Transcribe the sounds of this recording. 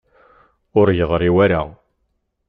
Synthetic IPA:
ʊɾjəðˤɾiwæɾa

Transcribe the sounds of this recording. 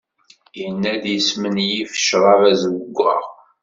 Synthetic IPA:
jənːæd̪jəsmənjifə̥ʃɾˤɑɾæzəwəɡʷːʁɑ̰ʁ

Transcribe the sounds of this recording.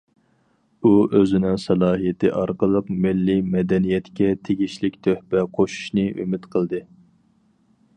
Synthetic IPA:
uʔøzɪnɪŋsɛlˠɑːɦijɪt̪ʰɨ̰ʔɑɾqəlˠəqmɪlːimɛd̪ɛnijɛt̪kʲɛt̪ʰeɡʲiʃlɪkʲt̪ʰøhpɛqʰoʃu̥ʃnɨʔy̰mɪt̪qʰəlˠd̪ɨ

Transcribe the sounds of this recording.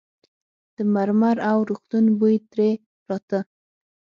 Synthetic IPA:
d̪̥əmaɾmaɾawɾuxt̪unbujt̪ɾe | pɾɑt̪ə

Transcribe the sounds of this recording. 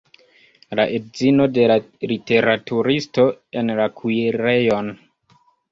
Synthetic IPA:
laʔedzino̞de̞la | lite̞ɾatuɾisto̞enlakʰuiɾejo̞n

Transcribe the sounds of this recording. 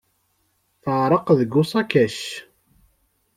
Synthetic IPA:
θəʕɾˤəqðəɡːʊsˤɑkæʃ

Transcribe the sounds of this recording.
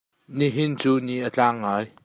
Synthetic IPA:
niɦɪnt͡suːniʔət͡ɬaːŋːaːj

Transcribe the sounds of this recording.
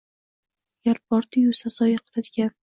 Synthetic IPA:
jaɾp̚ɒɾt̪ʰɪjusasɒjaqʰɨɾad̪ɪɡʲan

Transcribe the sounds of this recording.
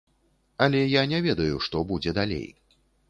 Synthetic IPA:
ɐlʲɛjanʲɛvʲɛd̪ɐjuʂt̪ɔbud͡zʲɛd̪alʲḛj

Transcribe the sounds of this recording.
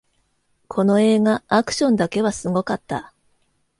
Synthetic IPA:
kʰo̞no̞e̞ːɡaːkɯ̟̥ɕõ̞nd̪ake̞βasɨɡo̞kat̪ːa

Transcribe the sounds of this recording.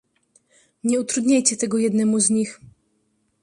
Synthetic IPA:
ɲɛut̪ɾud̪ɲajt͡ɕɛt̪ɛɡɔjɛd̪nɛmuzɲix

